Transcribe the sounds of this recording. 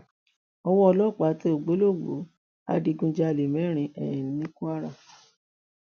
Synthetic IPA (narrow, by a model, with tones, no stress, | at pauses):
ɔ˧wɔ˦ɔ˧lɔ˦˨k͡pa˨˦te˦o˨ɡ͡bo˨˦lo˦˨ɡ͡bo̰˨˦ | a̰˧˦di˧ɡũ˧d͡ʒa˧˨li˨mɛ̃˨˦ɾ̃ĩ˧ʔɛ̰˨jĩ˨nĩ˨nĩ˦ku˦a˦ɾa˦˨